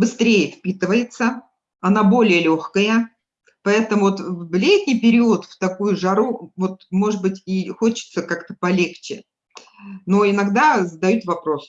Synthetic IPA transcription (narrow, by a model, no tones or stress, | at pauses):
bɨst̪ɾʲejəfʲpʲit̪ɨvəjɪt̪sə | ɐnabo̞lʲɪjəlʲoxkəjə | pɐɛt̪əmʊvot̪vvlʲetʲnʲijpʲɪɾʲiʊət̪ft̪ɐkujʊʐɐɾuvo̞t̪̚mo̞ʐɨd̪̚bɨtʲixot͡ɕɪ̥t̪səkakt̪əpɐlʲekt͡ɕɪ | noɪnɐɡd̪azəd̪ɐjut̪vɐpɾo̞s